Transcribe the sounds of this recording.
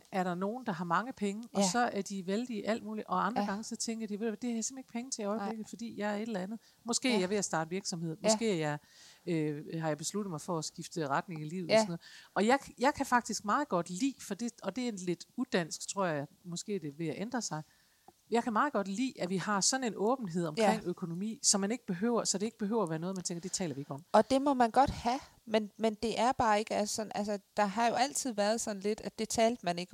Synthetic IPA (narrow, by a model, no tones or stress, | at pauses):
ʔæɐɾɑ̈no̝ːn̩d̥ɑ̈ɦɑ̈mɑ̈ŋəpʰeŋəɒ̽sɒ̽ʔæɐd̥iʋeld̥iʔæl̰d̥muːliʔɒ̽ɑ̈nd̥ɐɡ̥ɑ̈ŋəsɒ̽t͡sʰeŋɡ̥ɐd̥iʋe̝ð̰ˠd̥e̝hɑ̈jsem̩e̝ɡ̥pʰeŋət͡sʰe̝iɒ̽ɪble̝ɡ̥ð̩ˠfɒ̽d̥ḭːjɑ̈ɪæɐe̝ɾ̥el̩ænð̞̩ˠ | mɒ̽sɡ̥e̝̰ːjɑʋe̝æsd̥ɑ̰̈ːd̥ʋiɐɡ̥sɒ̽me̝ð̞̰ˠmɒsɡ̥e̝̰ːæjɑ̈ɪøɦɑjɑ̈ɪb̥e̝slud̥ð̩ˠmɑ̈ɪfɒːsɡ̥ifd̥əʁɑd̥ne̝ŋilḭːʊð̩ˠɒsnɔːð̩ˠɒ̽jɑ̈ɪjɑ̈ɪkʰæfɑ̈ɡ̥̚d̥isɡ̥̚mɑ̈ːð̞̩ˠɡ̥ɒ̽d̥lḭːfɒd̥e̝ɒ̽d̥e̝nle̝d̥ud̥æn̰sɡ̥t͡sʰʁo̝ɐ̰jɑjmɒ̽sɡ̥e̝̰ːd̥e̝ʋe̝æʔend̥ʁɐsɑ̈ɪ | njɑɪkʰæmɑ̈ːð̩ˠɡ̥ɒ̽d̥lḭːæʋihɑ̈sɒ̽ne̝nɔ̽ːb̥n̩ɦe̝ð̞̰ˠɒ̽mkʰʁeŋ̰økʰo̝no̝mḭːsɒ̽mːæne̝ɡ̥əb̥e̝ɦø̰ːʊ̰ɐsɒ̽d̥e̝e̝ɡ̥əb̥e̝ɦø̰ʊ̰ɐʋæːɐnɔ̽ð̩ˠmænt͡sʰeŋɡɐd̥e̝t͡sʰɛ̰ːlɐʋie̝ɡ̥əɒ̽m̰ɒ̽d̥e̝mɒ̽mænɡ̥ɒ̽d̥hæ | menmend̥e̝ʔæɐb̥ɑ̈ːe̝ɡ̥əæssɒ̽nælsəd̥ɑ̈ɦɑ̈jo̝æl̰t͡sʰið̞̰ˠʋæɐð̞̩ˠsɒ̽nle̝d̥æd̥e̝t͡sʰɛːld̥mæne̝ɡ̥ə